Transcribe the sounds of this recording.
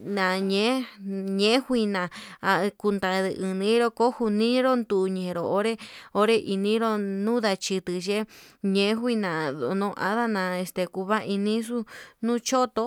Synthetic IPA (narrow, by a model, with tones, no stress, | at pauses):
nã˨ɲẽ˨˦ɲẽ˦hʷi˧nã˨a˧ku˧nd̪a˨ðɨ˧˨ʔɨ˧nĩ˨˦ɾo˧ko˦hu˧nĩ˦ɾo˦nd̪u˨ɲẽ˨ɾo˨o˦ɾe˦o˦ɾe˦ʔi˧nĩ˦ɾo˦nũ˦ða˧t͡ʃi˧t̪ɨ˧ʒe˦ɲẽ˧˦xʷi˦˧nã˨ðo˧nõ˧˦ʔa̰˦ða˦nã˨˧e˧st̪e˨ku˧βa˦ʔi˧nĩ˦su˦nũ˦t͡ʃo˦t̪o˧˦